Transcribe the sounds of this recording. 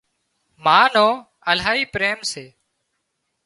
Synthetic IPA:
maːnõː | əlɦaːiːpɾeːmseː

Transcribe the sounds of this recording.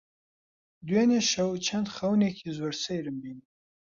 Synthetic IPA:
d̪weneʃɐwt͡ʃʰɐnd̪xɐwneːkʰizoɾsejɾɨmbin

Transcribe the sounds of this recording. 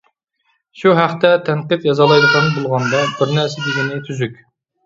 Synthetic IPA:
ʃuɦæχt̪ɛt̪ʰɛnqɨp̪jɑzɑlˠɑjd̪ɨqɑnbolˠʁɑnd̪ɑbɪɾnæɾsɛd̪ɪɡʲinɪt̪ʰyzykʲ

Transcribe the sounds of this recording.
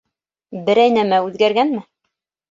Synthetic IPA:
bɘ̆ɾæjnæmæʉðɡæɾɡænmɘ

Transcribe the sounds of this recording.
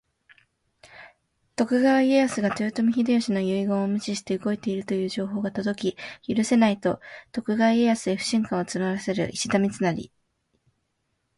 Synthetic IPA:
t̪o̞kɯ̟ɡaβaieasɨɡat͡ɕ̪ɨːt̪omʲiçid̪ejoɕino̞jɯ̟iɡõomɯ̟ɕiɕi̥t̪e̞ɯ̟ɡo̞et̪e̞iɾɯ̟t̪o̞jɯ̟ːʑo̞ːɦo̞ːɡat̪o̞d̪o̞kʲijɯɾɯ̟se̞nait̪o̞t̪o̞kɯ̟ɡaβaeasɨeɸɯ̟̥ɕĩŋkãot͡sɨnaɾase̞ɾɯ̟̰ʔiɕid̪amʲit͡sɨnaɾʲḭ

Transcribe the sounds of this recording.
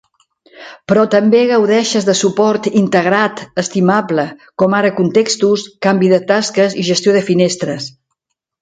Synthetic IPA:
pɾɔt̪əmbeɣəwðɛʃəzðəsupɔɾt̪int̪əɣ̞ɾat̪əst̪imapləkɔmaɾəkunt̪ekst̪uskambiðət̪askəziʒəst̪joðəfinest̪ɾəs

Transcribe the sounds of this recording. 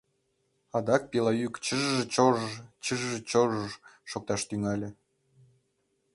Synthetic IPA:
ɑd̪ɑk̚pʲelˠɑjykt͡ɕəʒʒĕt͡ɕoʒəʒt͡ɕəʒʒĕt͡ɕoʒəʒʃok̚t̪ɑʃt̪yŋɑlʲĕ

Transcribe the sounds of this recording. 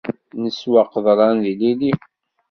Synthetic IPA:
nəswɑqðˤɾˤɑnðilili

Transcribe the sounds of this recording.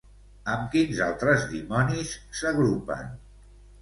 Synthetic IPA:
əmkinza̰lˠt̪ɾəzðimɔnisːəɣɾupə̰n

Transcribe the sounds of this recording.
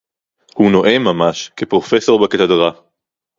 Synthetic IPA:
huno̞ʔemamaʃkepʁo̞feso̞ʁbakat̪adʁa

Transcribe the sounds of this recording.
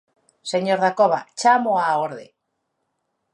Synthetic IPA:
seɲoɾðakoβa̰t͡ʃamoaoɾðḛ

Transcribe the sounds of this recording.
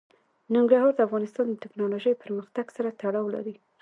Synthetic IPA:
nɪŋɡɾaɦɑɾd̪əafɣɑnɪst̪ɑnd̪ət̪ɪknɑloʒəjpəɾməxt̪aɡsaɾat̪aɽɑwla̰ɾi

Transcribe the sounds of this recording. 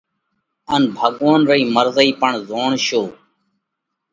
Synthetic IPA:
ənbʱəɠoːnɾəiːməɾzəiːpəɳzoːɳʃoː

